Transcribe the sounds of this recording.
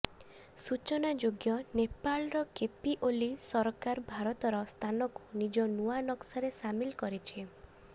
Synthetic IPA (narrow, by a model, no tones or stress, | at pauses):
sut͡ʃɔnad͡ʒoɡjɔnepalɾɔkepiʔolisɔɾkaɾbʱaɾɔt̪ɔɾɔst̪ʰanɔku̥nid͡ʒɔnuanɔksaɾesamilkɔɾit͡ʃʰi